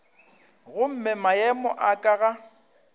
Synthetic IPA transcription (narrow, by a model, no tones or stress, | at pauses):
ɣʊm̩mɛmaɛmɔ̰ʔakʼaɣa